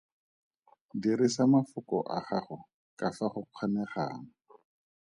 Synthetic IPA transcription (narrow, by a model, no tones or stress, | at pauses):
diɾɪsamafʊkɔʔaχaχʊ | kafaχʊq͡χʰanɛχa̰ːŋ̩